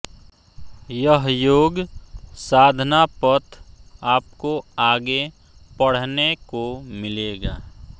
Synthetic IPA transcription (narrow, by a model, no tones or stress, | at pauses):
jəɦjoːɡsaːd̪ʱnapət̪ʰaːp̚koaːɡe | pəɽ̤nekomɪleːɡaː